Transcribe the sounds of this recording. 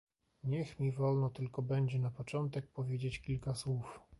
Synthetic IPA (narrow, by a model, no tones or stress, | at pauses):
ɲɛxmʲivɔlnɔt̪ɘlkɔbɛɲd͡ʑɛnapɔt͡ʂɔnt̪ɛk̚pɔvʲjed͡ʑet͡ɕkʲilkaswuf